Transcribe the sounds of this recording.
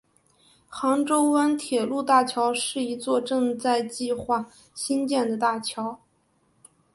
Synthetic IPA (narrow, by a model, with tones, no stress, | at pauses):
xɑ˧˥ŋʈ͡ʂo˥ʊwə˥nt̪ʰjɛ˨˩lu˥˧t̪a˥˩t͡ɕʰjɑ˧˥ʊʂɻ̩˥˩i˧˥t͡swɔ˥˧ʈ͡ʂɤ˥˧ŋt͡sa˥˧ɪt͡ɕi˥˧xwa˥˩ | ɕi˥nt͡ɕjɛ˥˩nd̪ə˩t̪a˥˩t͡ɕʰjɑ˧˥ʊ